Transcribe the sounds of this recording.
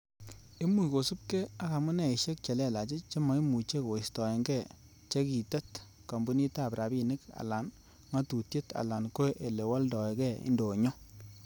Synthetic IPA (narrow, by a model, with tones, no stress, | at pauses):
e˦mu˨ko˨su˦p̚kɛ˦a˦ka˨mʊ˦nɛ˨i˨ʃe˦k̚t͡ʃe˨lɛ˦˨la˨t͡ʃe˦t͡ʃe˦mɔ˨˦i˦mu˨t͡ʃe˦ko˨i˨stɔ˨e˨ŋɡɛ˦˨ | t͡ʃe˦ki˨tɛ˦t | kɔ˨mbu˦ni˦ta˦˨pɾa˨bi˦˨nɪ˦ka̰˨la˨n | ŋa˦tu˨tje˦ta̰˨la˨nko˦ʔe˨le˨wa˦ldɔ˨e˨kɛ˦˨ḭ˦ndo˨ɲɔ˦